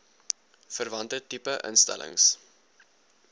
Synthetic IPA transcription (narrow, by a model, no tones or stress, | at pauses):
fərvɐntətipəʔə̰nstæ̰lʔə̰ŋs